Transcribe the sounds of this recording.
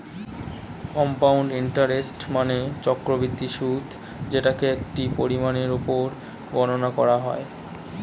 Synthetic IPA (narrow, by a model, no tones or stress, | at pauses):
kɔmpawɳɖiɳʈaɾesʈmanet͡ɕɔkɾobɾid̪ːiʃud̪ʰʱ | d͡ʑeʈakeek̚ʈipoɾimaneɾopoɾ | ɡɔnonakɔɾaɦɔ̰e